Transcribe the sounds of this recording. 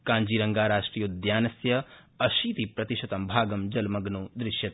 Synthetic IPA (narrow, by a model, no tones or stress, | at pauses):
kãːɲd͡ʒiːɾɐŋɡaːɾaːʂʈɾiːjud̪jaːnɐsjɐ | ɐʃiːt̪ipɾɐt̪iʃɐt̪ɐmbʱaːɡɐmd͡ʒɐlmɐɡnuːd̪ɾɪʃjɐt̪